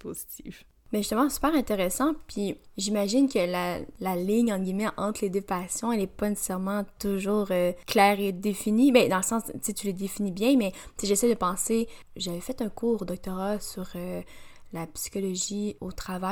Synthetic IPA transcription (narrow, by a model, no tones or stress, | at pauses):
pozit̪if | bɛʒyst̪əmɑ̃sy̥pɛːʁɛ̃t̪eʁɛsɑ̃pɥiʒimaʒɪnkʲəlalalɪɲɑ̃t̪ɡʲimɛʔɑ̃t̪χled̪øpasjɔ̃ɛlɛpanese̥sɛʁmɑ̃t̪uʒuːʁøklɛːʁed̪efinibɛ̃d̪ɑ̃ləsɑ̃ːst͡set̪yləd̪efinibjɛ̃mɛt͡seʒesɛjd̪əpɑ̃se | ʒavɛfɛt̪œ̃kuːʁod̪ɔk̚t̪ɔʁasyʁølapsi̥kɔlɔʒiot̪χava